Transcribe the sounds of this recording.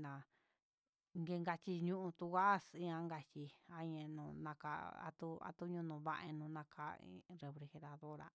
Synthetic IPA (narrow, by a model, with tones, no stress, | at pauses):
nã˨ | ŋɡe˧ŋɡa˧t͡ʃi˧ɲũ˦ʔũ˧t̪u˧ɣa˦si˦ã˧ŋɡa˧t͡ʃi˧a˧ɲẽ˧nũ˧nã˧ka̰˧a̰˧t̪u˦a̰˧t̪u˦ɲũ˦˧˦nũ˧βa̰˦˧ʔḛ˧nũ˧nã˧kʰa̰˦ḭ˧ɾe˧fɾe˧xe˧ɾa˧ðo˦ɾa̰˧